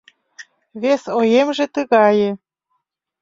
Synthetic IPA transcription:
βesojemʒĕt̪əɣɑjĕ

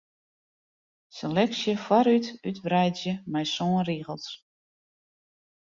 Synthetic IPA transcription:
selɛksjəfwaɾytytbrɛjdjəmɛjsoənriɣəlˠs

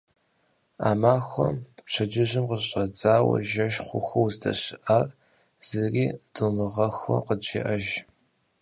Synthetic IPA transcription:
a̰ːmaːxʷɔmpt͡ʃʰɐd͡ʒɪʑɪmqəɕʼɐd͡zaːwɐ̰ʒɐʃχʷʊxʷɔwzdʰɐ̰ɕɪʔaːr | z̥ɨriːd̥oːmɨʁɐxʷɔ̰qəd͡ʒḛʔɐʒ

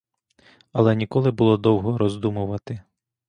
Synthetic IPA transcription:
ɐlˠɛnʲikɔlˠɪbʊlˠɔd̪ɔwɦɔɾɔzd̪umʊʋɐt̪ɪ

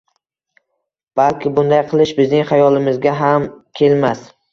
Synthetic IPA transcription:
b̥alkʲɪbʊnd̪ajqʰɨlˠɪʃbɪznɪŋχajɒlˠɪmɪzɡʲaɦamkʲʰe̞lmas

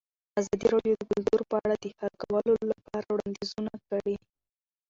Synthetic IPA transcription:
azɑd̪iɾɑɽjod̪əɡʊld̪oɾpəaɽad̪əhaɾkawəlolapɑɾawɽɑnd̪izunakəɽi

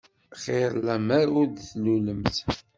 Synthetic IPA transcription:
χeɾˤlæmæɾʊɾd̪θluləmθ

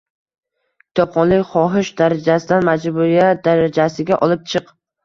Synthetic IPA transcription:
kʲʰɪ̥t̪ʰɒqʰːɒnlɪkʲχɒɦɪʃd̪aɾad͡ʒasɪd̪anmad͡ʒbʊɾijat̪̚d̪aɾad͡ʒasɪɡʲaʔɒlɪp̚t͡ʃʰɨq

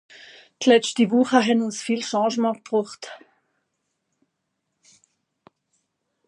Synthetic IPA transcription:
tlɛt͡ʃtivuχəɦɛnʊnsfiːlʃɑ̃ːʒmɑ̃k̚b̥ʁuχt

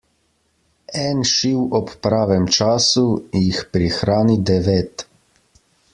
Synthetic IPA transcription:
ɛːnʃiwɔpːɾaːʋɛmt͡ʃaːsujixpɾixɾaːnid̪ɛʋeːt̪

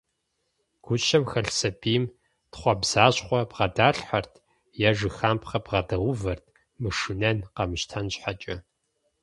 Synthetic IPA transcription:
ɡ̥ʷʊʃɐmxɐɬsɐbiːm | tχʷɔbz̥aːɕχʷɔbʁɐdaːɬħɐrtʰ | jaʒɨxaːmpχɐbʁɐdɐwʷʊvɐrtʰ | mɨʂɨnɐnqɐmɨɕtʰɐnɕʼħat͡ʃʼɐ

